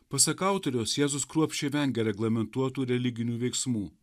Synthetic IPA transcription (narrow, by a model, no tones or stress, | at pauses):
pɐsɐkɑˑʊt̪oɾʲoːsjæːzʊskɾuɔpʲʃʲeʋʲɛŋʲɡʲɛɾʲɛɡlˠɐmʲɛnt̪uɔt̪uːɾʲɛlʲɪɡʲɪnʲuːʋʲɛɪksmuː